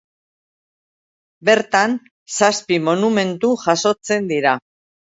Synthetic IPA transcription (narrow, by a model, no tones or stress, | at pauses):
be̞ɾt̪an | saspimo̞nume̞nt̪uʝaso̞t͡se̞nd̪iɾa